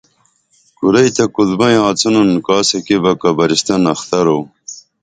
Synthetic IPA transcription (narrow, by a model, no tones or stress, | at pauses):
kuɾɐjt̪ɐkulbɐjãːt͡sɐnɐnkaːsɐkibɐkɐbɐɾist̪ɐnɐxt̪ɐɾo